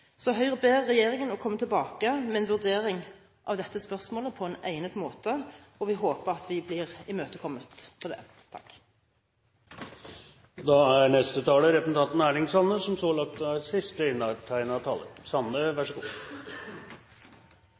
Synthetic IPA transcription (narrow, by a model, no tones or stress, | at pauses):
sɔɦœʏʁbeːʁːɛjeːʁɪŋənɔkʰɔmːət̪ʰɪlbɑːkəmɛɛnʋʉʁd̪eːɾɪŋ | ʔɑʋd̪ɛt̪ːəspœʁsmoːləpʰɔɛːnæ̰ɪnət̪moːt̪əɔʋɪɦoːpəʁɑt̪ʰʋɪblɪːʁɪmøːt̪əkʰɔmːət̪pʰɔd̪ɛ̰ː | t̪ʰɑ̰kː | d̪ɑæɾɳɛst̪ət̪ʰɑːləɾɛpəsn̩ɑnt̪næːɾɪŋsɑnːəsɔmsoːlɑk̚t̪æsɪst̪əɪnːɑʈ̪ʰæɪnɑt̪ʰɑ̰ːlə̰ɾsɑnːəʋæʂəɡṵː